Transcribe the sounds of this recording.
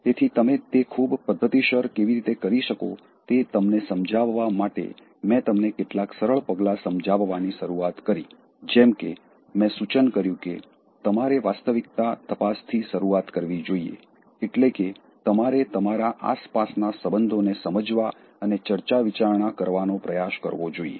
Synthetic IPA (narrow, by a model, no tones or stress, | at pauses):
t̪et̪ʰit̪əmet̪ekʰubpəd̪ʱːət̪iʃəɾkeʋiɾit̪ekəɾiʃəko̰ | t̪et̪əmnesəmd͡ʒʱaʋːamaʈḛ | mɛ̃t̪əmnekeʈlaksəɾəɭpəɡlasəmd͡ʒʱaʋʋaniʃəɾuat̪kəɾi | d͡ʒɛmke | mɛ̃sut͡ʃənkəɾjũke | t̪əmaɾeʋast̪əʋik̚t̪at̪əpast̪ʰiʃəɾuat̪kəɾʋid͡ʒoiḛ | eʈleke | t̪əmaɾet̪əmaɾaʔa̰spasnasəbənd̪ʱonesəməd͡ʒʋa | ənet͡ʃəɾt͡ʃaʋit͡ʃaɾɳ̃akəɾʋanopɾəjaʃkə̰ɾʋod͡ʒoḭḛ